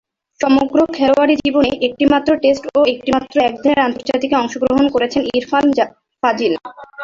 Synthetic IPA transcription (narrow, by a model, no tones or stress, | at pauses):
ʃɔmoɡɾokʰɛloaɾid͡ʑiboneʔek̚ʈimat̪ːɾoʈesʈoek̚ʈimat̪ːɾoɛkd̪ʱieɾant̪oɾd͡ʑat̪ikeɔŋʃoɡɾoɦonkoɾet͡ɕʰeniɾfalmd͡ʑa | fad͡ʑil